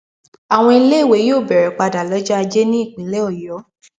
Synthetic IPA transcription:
a˨w̃ɔ̃˧i˧le˦i˦˨we˨˦joː˦˨bɛ˨ɾɛ˨k͡pa˧da˨lɔ˦d͡ʒa˦a˧d͡ʒe˦nĩ˦i˦˨k͡pĩ˨˦le˦ɔ˦˨jɔ˨˦

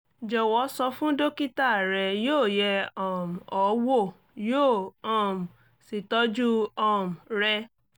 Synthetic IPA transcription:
d͡ʒɔ˨wɔ˨˧˦sɔ˧fũ˦do˦ki˦ta˦˨ɾɛ˧joː˦˨jɛ˧ɔ˦˨m̩˨ɔ˨˦wo˦˨ | joː˦˨ɔ̃˦˨m̩˨ | si˨tɔ˦d͡ʒu˦ɔ˦˨m̩˨ɾɛ˧

